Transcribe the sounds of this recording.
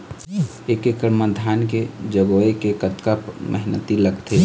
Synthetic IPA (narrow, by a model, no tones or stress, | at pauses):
ekekəɾməd̪ʱaːnked͡ʒəɡoekekət̪kəpmə̰ɦnə̰t̪iləɡt̪e